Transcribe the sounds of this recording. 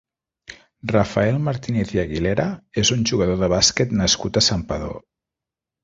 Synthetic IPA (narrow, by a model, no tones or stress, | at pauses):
rafaelˠmaɾt̪ineθjaɣileɾaezunʲʒuɣəðoðəβasket̪nəskut̪əsampəðo̰